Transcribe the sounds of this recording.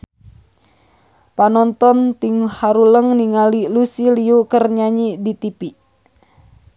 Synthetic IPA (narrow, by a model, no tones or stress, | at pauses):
panɔnt̪ɔnt̪iŋhaɾuləŋniŋalilusiliukərɲaɲidit̪ipi